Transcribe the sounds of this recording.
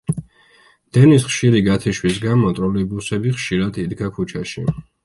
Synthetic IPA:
d̪̥ɛnisχʃiɾiɡat̪ʰiʃwis̬ɡamɔt̪ʼɾɔlibusɛbiχʃiɾad̪id̪ɡakʰut͡ʃʰaʃi

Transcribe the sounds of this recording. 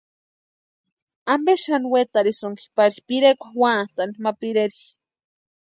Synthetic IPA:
ambeʃanwet̪aɾisəŋki̥paɾipiɾekʷawat̪animapiɾeɾi

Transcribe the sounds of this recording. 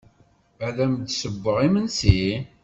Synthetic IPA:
æðæmd̪səbːəʁimənsi

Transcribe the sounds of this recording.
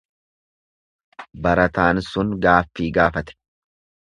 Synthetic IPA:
bɐɾɐt̪aːnsʊnɡaːfːiːɡaːfɐt̪ɛ̥

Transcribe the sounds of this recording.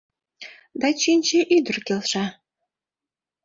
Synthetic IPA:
d̪ɑt͡ɕinʲt͡ɕeʔyd̪ə̆rkelʃɑ

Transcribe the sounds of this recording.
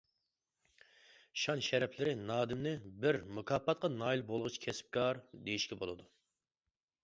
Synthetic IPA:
ʃɑnʃɛɾɛpʰlɪɾɪnɑːd̪ɪmnɪbɪɾmukʰɑːpːɑt̪̚qʰɑnɑːilˠbolˠʁʊt͡ʃʰkʲʰɛsɪ̥p̚kʰɑɾd̪ejiʃkʲɛbolˠɨd̪u

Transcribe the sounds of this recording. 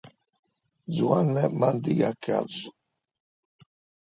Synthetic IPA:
zuanːɛmand̪iɡakʰa̰zu

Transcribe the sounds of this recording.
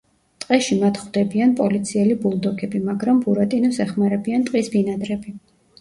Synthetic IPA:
t̪ʼqʼɛʃimat̪ʰχwd̪ɛbianpʼɔlit̪sʰiɛlibulˠd̪ɔkʰɛbimaɡɾambuɾat̪ʼinɔsɛχmaɾɛbiant̪ʼqʼisbinad̪ɾɛbi

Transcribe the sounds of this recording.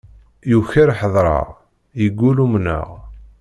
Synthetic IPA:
juçəɾħəðˤɾˤɑ̰ʁ | jəɡʷːulumnə̰ʁ

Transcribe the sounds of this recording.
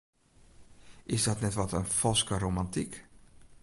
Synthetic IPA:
ʔɪsdɔtnɛtʋɔtənfɔlˠskəɾomantik

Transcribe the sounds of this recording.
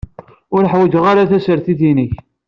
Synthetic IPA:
ʊɾħwəd͡ʒəʁaɾaθæsəɾθiθiniç

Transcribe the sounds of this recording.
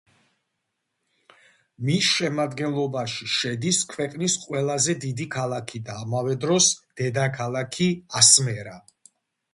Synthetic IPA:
misʃɛmad̪ɡɛnlˠɔbaʃiʃɛd̪iskʰwɛqʼnisqʼwɛlˠazɛd̪id̪ikʰalˠakʰid̪aːmavɛd̪ɾɔsd̪̥ɛd̪akʰalˠakʰiasmɛɾa

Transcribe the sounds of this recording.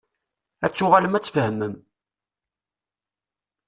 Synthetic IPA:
æt͡sːʊʁaləmæt͡sːfəhəmən

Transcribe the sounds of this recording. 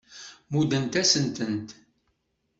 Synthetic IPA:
mud̪ənt̪æsənt̪ənt̪

